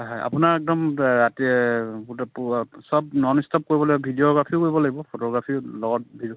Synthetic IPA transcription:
ɦaja̰punaɹɛk̚dɔmɹatiɛbutɛpusɔb̚nɔnistɔp̚koɹibɔlaibɔbʱidioɡɹapʰiʊkoɹibɔlaɡibɔpʰotɔɡɹapʰiʊlɔɡɔt̚bʱid

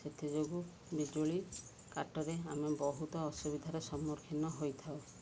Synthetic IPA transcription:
set̪ʰid͡ʒoɡu | bid͡ʒoɭi | kaʈɔɾeamebɔɦut̪ɔːsubid̪ʱaɾesɔmːɔɾkʰinɔɦojt̪ʰaw

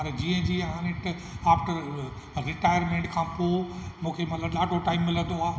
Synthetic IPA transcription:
ɐɾd͡ʑiːə̃d͡ʑiãːnɪʈaːfʈəɾ | ɾɪʈaːɪəɾmẽɳʈkʰãːpomũːkʰemɐt̪ləbɗaːʈʰoʈaːɪmːɪlə̃nd̪oaː

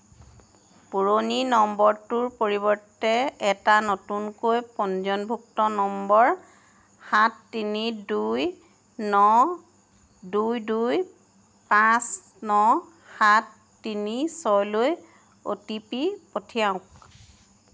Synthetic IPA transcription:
puɹoninɔmbɔɹtuɹpoɹibɔɹtɛɛtanɔtunkojpɔnzɔnbʱuk̚tɔnɔmbɔɹ | hatːiniduj | nɔ | dujduj | pãs | nɔ | hatː | inisɔloj | o̰tipipotʰijaʊ̃k

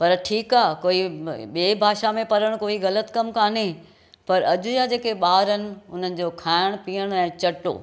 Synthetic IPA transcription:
pɐɾʈʰiːkaːkoːiɓeːbʱaːʃamẽpɐɾəɽ̃koːiɣɐlət̪kɐmkʰaːne | pɐɾɐd͡ʑʊjaːd͡ʑeːkeɓaːɾənɪ̆ʊn̤ənɪ̆d͡ʑoːkʰaːɪɽ̃piːəɽ̃ɛ̃ːt͡ɕɐʈo̰ː

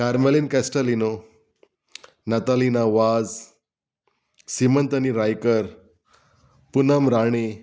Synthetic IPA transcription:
kaɾmelinkæsʈəlino | nat̪alinaʋad͡z | simənt̪əniɾajkəɾ | punamɾaɽ̃e

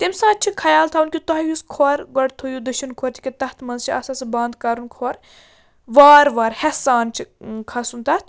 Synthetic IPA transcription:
t̪emsaːt̚t͡ʃʰikʰɐjaːlt̪ʰaunkʲit̪ɔɦɐjuskʰoɾɡɐɽt̪ʰojud̪ɐʃinkʰoɾt̪ʰi̥kʲit̪ɐht̪ʰmɐnzt͡ʃʰiɐsasɨbãːnd̪kaɾunkʰoɾ | ʋaːɾʋaːɾhesaːnt͡ʃʰikʰɐsunt̪ɐt̪ʰ

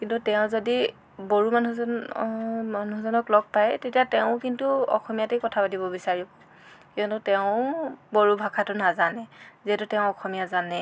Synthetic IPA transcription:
kintutɛʊ̃zodi | boɹumanu | manuzɔnɔklɔk̚pajtetijatɛʊ̃kintuɔ̰xɔmijatejkɔtʰapatibɔbisaɹibɔ | kiɔnʊtɛʊboɹubʱakʰatʊnazanɛziɦɛtutɛʊ̃ɔxɔmijazanɛ

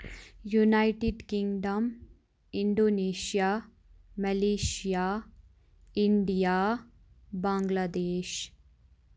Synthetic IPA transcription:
junajʈiɖkĩŋɡɖɐm | iɳɖoːneːʃijaː | mɐleːʃijaː | iɳɖijaː | bãːŋɡlaːd̪eːʃ

